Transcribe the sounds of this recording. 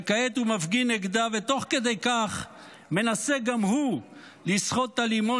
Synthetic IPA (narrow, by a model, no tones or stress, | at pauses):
kaet̪umafɡineɡd̪avet̪o̞χked̪ejkaχ | me̞naseɡamhu | lisχot̪ːalimo